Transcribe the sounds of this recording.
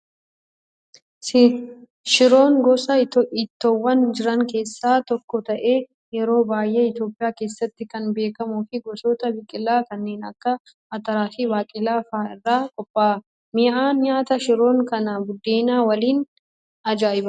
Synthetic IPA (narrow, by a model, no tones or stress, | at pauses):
s | ʃɪɾo̞ːŋɡɔsɐɪt̪ːʔɪt̪ːɔwːɐnd͡ʒɪɾɐŋke̞ːsːaːt̪ɔkːɔt̪ɐʔeː | jɛɾo̞ːbaːjːeːɪt̪jo̞ːpʼɪjaːke̞ːsːɐt̪ːɪkɐnbe̞ːkɐmʊfɪɡɔsoːt̪ɐbɪkʼɪlːaːkɐnːe̞ːnɐ̰kːɐ | ɐt̪ɐɾaːfɪwaːkʼɪlaːfaːɪrːaːkʼɔpʼːaː | mɪʔaːnɲaːt̪ɐʃɪɾo̞ːŋkɐnɐbʊd̪ːeːnaːwɐliːn | ɐd͡ʒaːɪbɐ